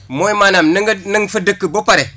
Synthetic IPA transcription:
moimanamnəŋɡənəŋfədəkːəbopaɾe

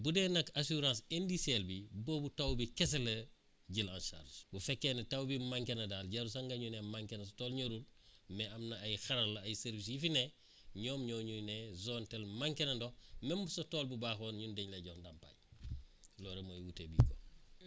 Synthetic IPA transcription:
budenɐkasuɾãːsendiselbiboːbutawbikes̬elɐ | ɟilã̰nʃa̰ɾd͡ʒbufekːenetawbimaŋkenɐdaːlɟaɾusaŋɡaɲunemaŋkenɐsotoːlɲoɾulmeamnɐːjxɐɾɐlːɐːjseɾvis̬jifine | ɲɔːmɲoːɲunezontelmaŋkenɐndomembusotoːlbubaːxoːnɲundeɲlɐɟoːdampa̰j | loːɾemojwutebḭːko̰

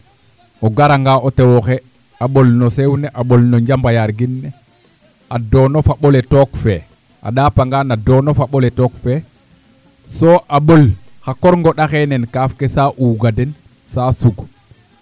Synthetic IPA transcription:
oɡaɾaŋɡaotewoxe | aɓolnosewneʔaɓolnoɲɟambajaɾɡinːe | adonofaɓoletokfe | a̰ɗaːpaŋɡanadonofaɓoletoːkfe | soːʔaɓol | xakoɾŋɡoɗaxenenkaːfkesaʔuːɡaden | sasuɡ

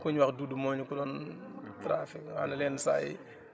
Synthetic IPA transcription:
kuɲwɐxduːdumɔːɲukudɔːntɾaːfika̰lɐlɛnsa̰ːjḭ

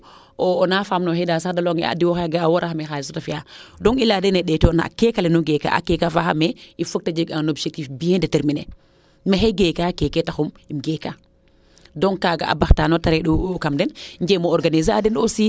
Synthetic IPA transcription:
ɔːnafamnɔhedasadalɔŋɛa̰diwɔxeɡaːwɔɾʔaxamɛxalisɔtafijadɔŋiladɛnɛɗɛtiɔna̰kɛkalɛnuɡeka̰ʔa̰kɛkafaxamɛifuk̚tad͡ʒiɡanobʃek̚tifbijɛndeteɾminḛ | mexeɡekakekɛtaxum | imɡeka | dɔŋkaːɡa̰a̰baxtanɔtaɾɛɗukamdɛnɲd͡ʒemɔɔɾɡanizaadɛnosi

